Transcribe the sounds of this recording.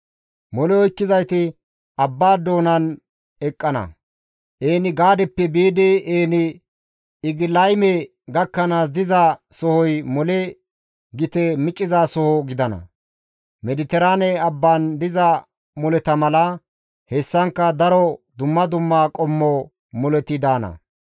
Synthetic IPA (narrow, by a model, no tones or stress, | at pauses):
mɔlɛɔjkːɪzɐjt̪ɪ | ɐbːaːd̪o̞ːnɐn | ɛkʼːɐnɐ̰ | ʔeːnɪɡaːd̪ɛpːɛbiːd̪eʔeːnɪ | ɪɡɪlɐjmɛ | ɡɐkːɐnaːs̬d̪ɪzasɔhɔjmɔlɛ | ɡɪt̪ɛmɪt͡ʃʼːɪzaːsɔhɔɡɪd̪ɐnɐ̰ | mɛd̪ɪt̪ɛɾaːnɛɐbːaːnd̪ɪzɐ | mɔlɛt̪ɐmɐlɐ | hɛsːɐŋkːɐd̪ɐɾɔd̪ʊmːɐd̪ʊmːaːkʼɔmːɔ | mɔlɛt̪ːɪd̪aːnɐ̰